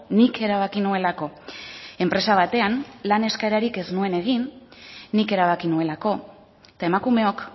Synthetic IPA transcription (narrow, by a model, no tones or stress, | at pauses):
nike̞ɾaβ̞akinue̞lako̞e̞mpɾe̞saβ̞at̪e̞anlane̞skaeɾaɾike̞znue̞ne̞ɣ̞inː | ike̞ɾaβ̞akinue̞lako̞ | t̪ae̞makume̞o̞k